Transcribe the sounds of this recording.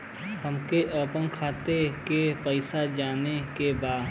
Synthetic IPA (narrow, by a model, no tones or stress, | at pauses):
həmkeʔəpə̃ŋkʰaːt̪ekepəɪsad͡ʒaːnekebaːd̪